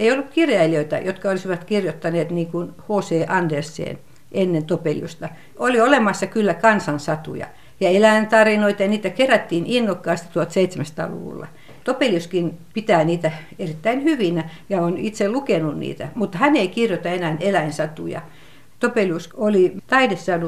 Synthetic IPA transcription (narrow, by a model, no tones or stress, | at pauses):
eijolːukkirjɑiliøit̪æ̰jot̪kɑolisiʋɑt̪kirjot̪ːɑneːt̪niːŋkunhoːseːʔɑndersːḛːn | ʔenːent̪opelʲjṵst̪ɑ | oliolemɑsːɑkylːækɑnsɑnsɑt̪ṵjɑ̰ | jɑelæint̪ɑrinoit̪ɑjɑniːt̪ækeræt̪ːiːninːokːɑːst̪itt̪uɑlt̪seit̪semæst̪ɑ̰ːlṵʋṵlːɑ̰ | t̪opeljuskinpit̪æːniːt̪æ | erit̪ːæinhyʋinæjɑonit̪selukenunnḭːt̪æ̰mut̪ːɑhæneikirjot̪ɑenænelæinsɑt̪ṵjɑ̰ | t̪opeljusolit̪ɑidessɑːnu